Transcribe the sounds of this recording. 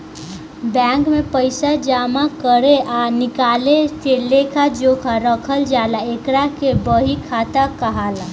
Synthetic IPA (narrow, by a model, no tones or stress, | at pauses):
bɛ̃ːŋkmẽpəɪsad͡ʒaːmakəɾeʔanɪkaːleseleːkʰad͡ʒoːkʰaɾəkʰəld͡ʒaːlaekɾakebəɦikʰaːt̪akəɦaːla